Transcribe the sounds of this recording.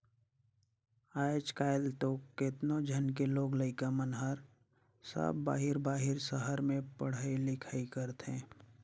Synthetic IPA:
aːt͡ʃkaːɪlt̪oːkket̪nõd͡ʒʱənk̬eloːɡləɪkamənɦəɾ | sə̰bːa̰ːɦɪɾbaːɦɪɾsəɦəɾmẽpəɽ̤aːilɪkʰaːikəɾt̪ɦẽː

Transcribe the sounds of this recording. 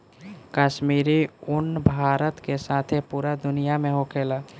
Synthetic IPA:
kaʃmiːɾiʊnbʱaːɾət̪kesaːt̪ʰepuːɾad̪ʊnijamẽɦokʰeːlaː

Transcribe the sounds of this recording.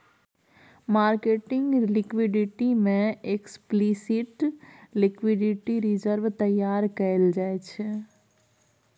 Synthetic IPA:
maːɾkeːʈɪ̃ŋɡlɪkwɪɖɪʈimẽeksplisɪʈlɪkwɪɖɪʈiɾɪd͡ʒəɾʋt̪ɐjaːɾkɐɪld͡ʒaːet͡ʃʰɛ

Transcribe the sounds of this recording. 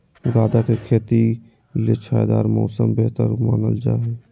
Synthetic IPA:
ɡaːd̪akekʰeːt̪i | let͡ʃʰaːjd̪aːɾmɔ̰ːsəmbeɦt̪ə̰ɾmaːnəld͡ʒa̰ːɦɛ

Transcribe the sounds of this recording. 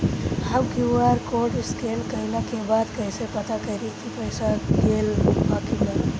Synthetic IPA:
hawkiaɾkoɖskelkəɦinakebad̪kəjsepət̪ʰakəɾikipəɪsakelbakina

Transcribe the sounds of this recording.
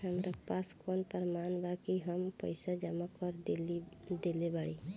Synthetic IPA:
ɦəmɾəkpaskonpəɾmanbakiɦəmpəjsad͡ʒəmakɔɾd̪elid̪elebaɽi

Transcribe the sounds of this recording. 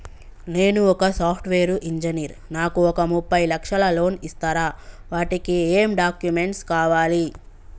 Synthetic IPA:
ne̞ːnuɔkɐsaːpʰʈʰʋeːɾuʔiɲd͡ʒɐniːɾnaːkuɔkɐmupːɐjlɐkʂɐlɐlo̞ːnist̪aːɾaː | ʋaːʈikieːmɖaːkjume̞ɳʈskaːʋaːli

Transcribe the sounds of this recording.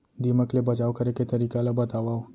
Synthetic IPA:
d̪iməklebəd͡ʒaʋkəɾeket̪ɐɾiːkalabət̪aʋa

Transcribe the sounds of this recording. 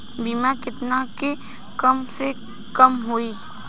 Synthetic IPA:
biːmakɪt̪nake | kɐmse | kɐmɦuiː

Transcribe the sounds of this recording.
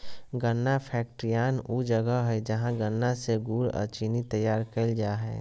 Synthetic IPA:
ɡənːapʰɛːk̚ʈɾijaːnud͡ʒəɡəɦɛd͡ʒəɦãɡənːaseɡuːɾɔ̰ɾt͡ʃinit̪əjaːɾkeld͡ʒaːɦɛ̰ː

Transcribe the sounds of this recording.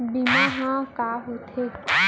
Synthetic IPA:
binaɦãkaːɦot̪ʰe

